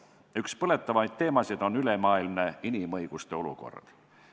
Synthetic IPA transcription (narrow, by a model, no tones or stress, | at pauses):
ykspɤle̞t̪ːˑɑvɑjd̪̥̚t̪e̞ːmɑsid̪̥o̞nylemɑːilmne̞inimɤ̞jɡ̥ust̪e̞o̞lṵko̞̰rːɑ̰d̪̥